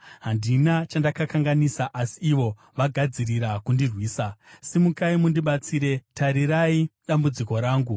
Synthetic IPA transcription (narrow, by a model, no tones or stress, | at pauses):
ɦandinat͡ʃandakakaŋɡanisaʔasiːʋo̞ | ʋaɡʱad͡ziriɾakundirwiːsasimukaimundiɓat͡siːɾe̞taɾiɾaiɗambud͡ziko̞ɾaːŋɡu